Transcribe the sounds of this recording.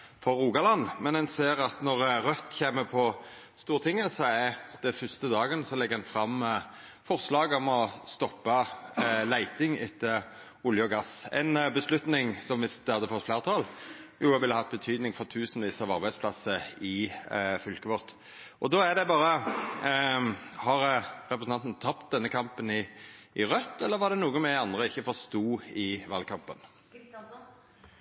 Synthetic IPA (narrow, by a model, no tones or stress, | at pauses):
fɔɾːuːɡɑlɑnːmɛnɛnseːɾɑt̪nɔɾɾœt̪ːçeːməpʰɔ | st̪uːɾt̪ʰɪŋːəsɔæɾd̪̥ɛfʏst̪əd̪ɑːɡənəsɔlɛɡːəɛnfɾɑmː | fɔʁslɑːɡɔmɔst̪ɔpːɑlæɪt̪ɪŋɪt̪ːə | ʊljəɔɡɑsɛ̰ɪnbəslʉt̪nɪŋsɔmʋɪsd̪əɑd̪əfɔt̪ːflæːʁt̪ʰɑːljuːɛʋɪlːəhɑt̪̚ːbət̪ʰyːd̪nɪŋfɔʁt̪ʰʉːsnʋiːsɑʋɑɾbæɪspʰlɑsəɪfʏlkəʋɔʁt̪ | ʔɔd̪oæd̪ɛbɑːɾə | hɑɾɾɛpɾəsɑnt̪n̩t̪ʰɑp̚t̪̚d̪ɛnːəkʰɑmpənɪʔɪʁœt̪ːɛlːəɾʋɑʁd̪ɛnuːɡəmɛɑnd̪ʁəɪçːəfɔʁst̪uːɪʋɑːlkʰɑmpən